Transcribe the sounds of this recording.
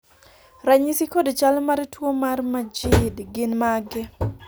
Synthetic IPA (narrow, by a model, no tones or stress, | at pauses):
ɾaɲisikodot͡ʃalmaɾtwomarmad͡ʒɪdɡɪnmaɡɛ